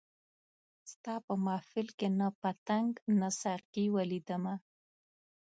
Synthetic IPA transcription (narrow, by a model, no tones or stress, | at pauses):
st̪ɑpəmɑfɪlkenapat̪aŋɡnasaɾkiwalid̪əma